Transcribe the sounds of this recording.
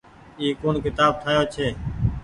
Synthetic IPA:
iːkoːnːkɪt̪aːb̚t̪ʰaːjoːt͡ʃʰeː

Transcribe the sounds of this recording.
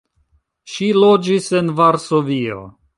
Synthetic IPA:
ʃilo̞d͡ʒise̞nvaɾsovio̰

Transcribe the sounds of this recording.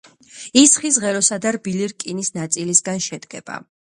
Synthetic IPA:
isχis̬ʁɛɾɔsad̪aɾbiliɾkʼinisnat̪sʼilisɡanʃɛd̪ɡɛb̥a̰

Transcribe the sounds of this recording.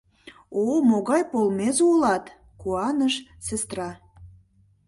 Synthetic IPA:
omoɣɑjpolmezulɑt̪ | kuɑnəʃsest̪rɑ

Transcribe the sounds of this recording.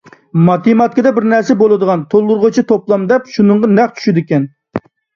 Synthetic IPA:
mɑt̪imɑt̪̚kʰid̪ɛbɪɾnæɾsɛbolˠɨd̪əʁɑnt̪ʰolˠːʊɾʁot͡ʃʰit̪ʰoplˠɑmd̪ɛpʃunɨɴʁɑnɛχt͡ʃʰy̥ʃɪd̪ɪkʲɛn

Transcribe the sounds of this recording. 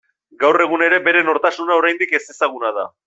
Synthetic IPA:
ɡawre̞ɣune̞ɾe̞be̞ɾe̞no̞ɾt̪asunao̞ɾajnd̪ike̞se̞saɣ̞unað̞a̰

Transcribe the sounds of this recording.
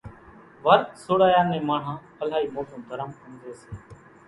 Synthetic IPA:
ʋəɾt̪soːɽaːjaːnẽːmaːɳ̤ɦãː | əlaːiːmoːsə̃ːd̪ʱəɾəmkənd̪eːseː

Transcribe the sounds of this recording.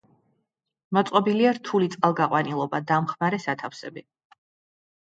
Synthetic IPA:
mɔt̪sʼqʼɔbiliaɾt̪ʰulit̪sʼqʼalˠɡaqʼwanilˠɔbad̪amχmaɾɛsat̪ʰafsɛbi

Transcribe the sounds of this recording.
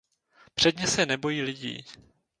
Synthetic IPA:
pr̝̥ɛdɲɛsɛnɛbo̞jiːlɪɟḭː

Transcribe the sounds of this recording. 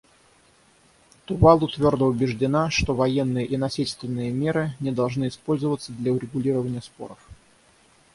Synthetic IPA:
t̪ʊvalˠʊt̪vʲo̞rd̪əʊbʲɪʐdʲɪnaʂt̪ovɐjenːɨjəʔinɐsʲilʲst̪vʲɪnːɨjəmʲeɾɨnʲɪd̪ɐlˠʐnɨɪspo̞lʲzəvət̪sːəd̪lʲɐʊɾʲɪɡʊlʲiɾəvənʲɪjəspo̞̰ɾəf

